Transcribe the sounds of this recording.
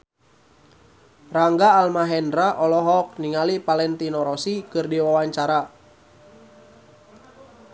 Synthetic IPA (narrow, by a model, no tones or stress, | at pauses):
raŋɡaːlmaɦɛndɾaʔɔlɔɦɔk̚niŋalipalɛnt̪inɔɾɔsikɨrdiwawaɲt͡ʃaɾa